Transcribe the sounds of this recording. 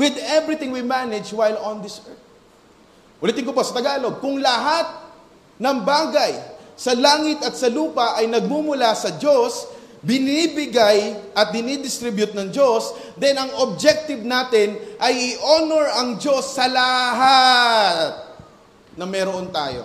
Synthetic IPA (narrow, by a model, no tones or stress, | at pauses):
wɪd̪ɛvɹɪt̪ɪ̃ŋwimanɪd͡ʒwajlond̪ɪsɛɹt | ʔʊlit̪ɪŋk̬oposɐt̪ɐɡaːlo̞ɡ̚kʊŋlɐɦat̪̚ | nɐŋbaːɡɐjsɐlaːŋɪt̪ɐt̪̚sɐluːpɐʔɐjnɐɡ̚mumʊlasɐd͡ʒo̞s | bɪnibɪɡajʔɐt̪̚bɪnid̪ɪst̪ɾɪbjʊt̪̚nɐŋd͡ʒo̞s | d̪ɛnɐŋob̚d͡ʒɛk̚t̪ɪvnaːt̪ɪnʔɐjɪʔonɛɹʔɐŋd͡ʒo̞sːɐlɐɦa | t̪̚ | nɐmɛɾoʔont̪a̰ːjo̞̰